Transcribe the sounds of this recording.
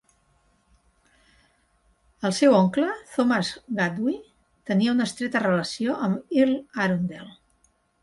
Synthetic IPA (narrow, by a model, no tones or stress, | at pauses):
əlˠsewoŋklət̪oməzɣad̪wi | t̪əniəunəst̪ɾet̪ərələsioʔəmilaɾund̪elˠ